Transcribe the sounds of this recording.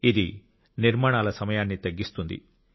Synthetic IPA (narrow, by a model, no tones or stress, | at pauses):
id̪i | niɾmaːɳaːlɐsɐmɐjaːnːit̪ɐɡːist̪und̪ḭ